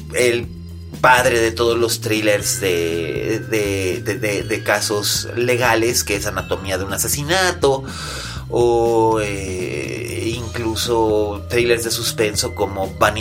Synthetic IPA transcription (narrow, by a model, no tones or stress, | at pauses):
el | paðɾe̞ðe̞t̪o̞ð̞ozlost̪ɾileɾzðeðeðeðeðekaso̞sle̞ɣale̞skeesanat̪o̞miaðeunasesinat̪o̞ː | e | iŋkluso̞t̪ɾile̞ɾzðe̞suspe̞nso̞ko̞mo̞βan